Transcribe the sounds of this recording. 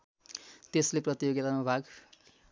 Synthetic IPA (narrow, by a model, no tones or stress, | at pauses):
t̪esleprʌt̪ijoɡit̪anubʱaɡ